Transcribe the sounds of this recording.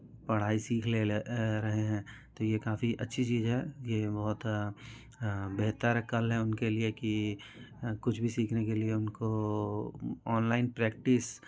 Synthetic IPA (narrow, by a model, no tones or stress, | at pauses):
pɐɽ̤aːisiːkʰleɾɐɦeɦɛ̃ːt̪ojekaːfiʔɐtːʃʰit͡ʃiːzɦɛːjebɔɦʊt̪ | beɦt̪əɾɐkəlɦɛ̃ʊnkelieki | kʊt͡ʃʰbʱisiːkʰnekelieʊnko | ɔːnlaːɪnpɾɛːk̚ʈɪs